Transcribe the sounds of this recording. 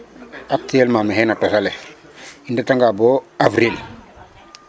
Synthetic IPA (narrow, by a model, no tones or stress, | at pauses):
ap̚tielmameɦenatosale | indataŋɡaboavɾil